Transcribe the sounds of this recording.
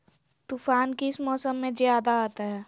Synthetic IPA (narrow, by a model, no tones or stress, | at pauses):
t̪uːfaːnkeɪsmɔːsəmːẽzjaːd̪aaːt̪aɦɛː